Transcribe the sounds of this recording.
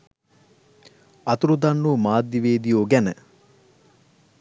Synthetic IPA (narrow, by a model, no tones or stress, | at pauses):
ɐt̪uɾud̪anːuːmaːd̪jiʋeːd̪ijoːɡænə